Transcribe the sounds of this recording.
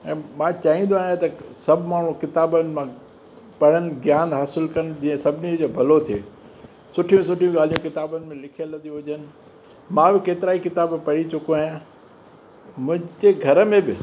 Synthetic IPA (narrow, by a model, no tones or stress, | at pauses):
ɛ̃ːmãːt͡ɕaːɦĩːnd̪oaːɦjãt̪ɐsɐbʱɪmaːɳ̤ũkɪt̪aːbənɪ̆mã | pɐɽ̤ənɪ̆ɡjaːnɦaːsɪlkɐnɪ̆d͡ʑĩːə̃sɐbʱɪnid͡ʑoːbʱɐlot̪ʰiḛː | sʊʈʰijũsʊʈʰijũɡaːlijũkɪt̪aːbənɪ̆mẽlɪkʰijələ̃nd̪iɦʊd͡ʑənɪ̆ | mãbɪkeːt̪ɪɾaːikɪt̪aːbpɐɽ̤it͡ɕʊkoaːɦjã | mʊ̃ɦɪ̃t̪eɡʱɐɾəmẽbɪ